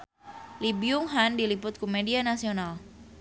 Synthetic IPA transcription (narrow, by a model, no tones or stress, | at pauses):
libiʊŋɦandilipʊt̪̚kumedianasional